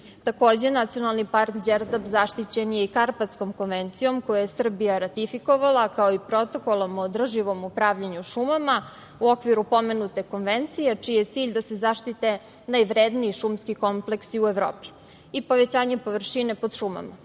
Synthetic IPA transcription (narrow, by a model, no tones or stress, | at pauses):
t̪ako̞ːd͡ʑenat̪sijo̞nalˠnipaɾkd͡ʑeɾd̪abzaʃt̪it͡ɕenje̞ikaɾpat̪sko̞mko̞nʋe̞nt̪sijo̞mkojojesr̩bijaɾat̪ifikoʋalˠakao̞ipɾo̞t̪o̞kolˠomoːd̪r̩ʒiʋo̞mupɾaːʋʎaɲuʃumama | uo̞kʋiɾupo̞menut̪e̞ko̞nʋe̞nt̪sijet͡ʃijet̪siːʎd̪ase̞zaʃt̪it̪e̞ | najʋɾed̪niiʃumskiko̞mple̞ksiueʋɾo̰ːpi̥ | ipo̞ʋet͡ɕaːɲe̞po̞ʋrʃine̞po̞d̪ʃuma̰ma